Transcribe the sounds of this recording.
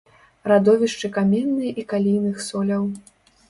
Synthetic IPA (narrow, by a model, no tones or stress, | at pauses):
rad̪ɔvʲiʂt͡ʂɨkamʲɛnːɨjʔikalʲijnɨxsɔlʲɐw